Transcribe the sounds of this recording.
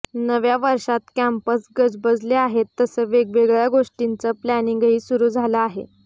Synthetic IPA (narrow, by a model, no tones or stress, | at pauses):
nəʋjaʋəɾʂat̪kæmpəsɡəd͡zbəd͡zʱleaɦet̪ːəsəːʋeɡʋeɡɭjaɡoʂʈint͡səplæniŋɡɦiːsuɾuːd͡zʱaləaɦḛ